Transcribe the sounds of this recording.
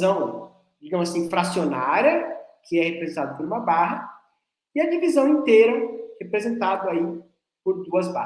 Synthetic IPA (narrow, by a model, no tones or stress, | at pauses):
zɐ̃w̃ | d͡ʒiɡɐ̃mʊzasĩfɾasionaɾjɐkʰɪɛhepɾezẽnt̪ad̪ʊpoɾũmɐbaɦɐ | ɪɐd͡ʒivizɐ̃w̃ĩnt̪ejɾɐhepɾezẽnt̪ad̪ʊai | poɾd̪uɐzba̰